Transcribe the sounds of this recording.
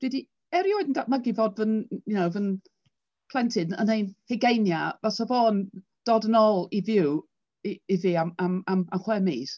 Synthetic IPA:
d̥widi | ɛɾioɨdn̩daʔməɡɪvɔdvənjunowvən | pʰlˠɛntʰɪnənenhɛɡejnjavasavoːn | d̥ɔːdənɔːlˠivjɪw | iiviamamamamχwɛmis

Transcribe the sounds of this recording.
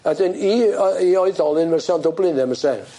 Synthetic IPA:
ədɪniiɔɨðɔlˠɨnməsɛandɔblɪnɛməsɛ

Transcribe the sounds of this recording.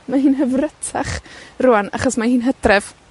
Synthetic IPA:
maɦiːnɦəvrətʰa̰χrʊana̰χɔsmahiːnɦədrɛv̥

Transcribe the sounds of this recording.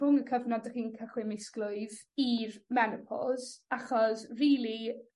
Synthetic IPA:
ʊŋəkʰəvnɔdəχiːnkʰəχwɪmɪsklʊɨð | irmɛnɪpʰɔ̰zaχɔsriːlˠi

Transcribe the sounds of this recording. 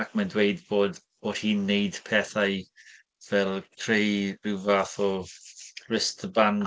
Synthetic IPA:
ak̚ʰmandwejdboːd | ɔd̥hiːnːejd̥pʰɛθaj | vɛlˠkʰrejrɪvaθɔ | rɪstʰəban

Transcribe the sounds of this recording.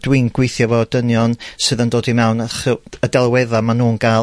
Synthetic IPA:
d̥wɪnɡ̥wejθjɔvɔdənjɔnsɨðəndoːdimɛwnəχəədɛlˠwɛðamanuːnɡ̥a

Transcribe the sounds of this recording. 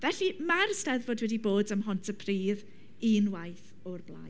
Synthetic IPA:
vɛɬimarstɛðvoːdwɛdiboːdəmɦɔntʰəpʰriːð | inwajθ | ɔrbla̰j

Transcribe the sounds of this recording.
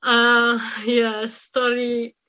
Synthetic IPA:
ʌjæstɔɹi

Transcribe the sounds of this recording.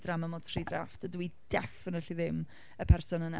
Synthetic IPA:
draməmɔdtʰridraftədwid̥ɛfɪnəɬiðɪm | əpʰɛrsɔnəna̰

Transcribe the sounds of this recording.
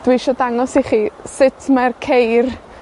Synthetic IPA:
d̥wiʃɔdaŋɔsiχisɪtʰmarkʰejr

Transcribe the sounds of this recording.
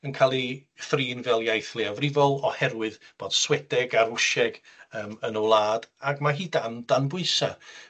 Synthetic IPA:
ənkʰalˠiθriːnvɛlˠjajθlˠɪavrɪvɔlˠɔhɛɾwɨðb̥oːd̥swɛdɛɡaɾʊʃɛɡ̥əːmənɔwlˠaːd̥aɡmaɦiːdand̥anbʊɨsa

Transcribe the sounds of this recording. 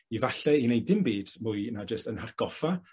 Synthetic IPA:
ivaɬɛinejdɪmbiːd̥muːɨnad͡ʒəstənharɡ̥ɔfa

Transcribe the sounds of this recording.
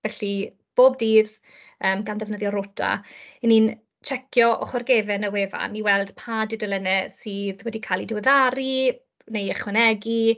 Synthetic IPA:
vɛɬi | b̥oːb̚diːð | əːmɡanðɛvnəðjɔɾʊtʰa̰inin | t͡ʃʰɛkʰjɔʔɔ̰χɔrɡevɛnəweːva̰niwɛlˠd̥pʰadɪdəlˠənɛsɨːðwɛdikʰalˠidɪwɛðaɾi | nejɛχwɛnɛɡi

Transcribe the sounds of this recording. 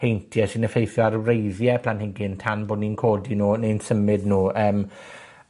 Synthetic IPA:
ejntʰjɛsɪnəfejθjɔaɾwrejðjɛpʰlanhɪŋɡɪntʰanboːdninkʰoːdinuːnejnsəmɪdnuːʔəːm

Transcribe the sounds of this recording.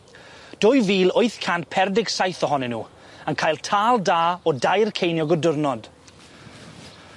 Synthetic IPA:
d̥ʊjviːlˠoɨθkʰantpʰɛrdɪɡsajθɔɦɔnɪnṵː | ənkʰaːjlˠtʰaːlˠdaːɔdajrkʰejnjɔɡɔdʊrnɔd̥

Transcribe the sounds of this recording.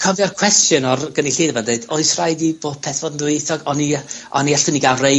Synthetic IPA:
kʰɔvjɔrkʰw̥ɛstjʊnɔrɡ̥əniɬiːdəvandeɨdoɨsrajdib̥oːd̥pʰɛθv̥ɔdn̩dwejθɔɡɔniɔ̰niaɬtəniɡalre

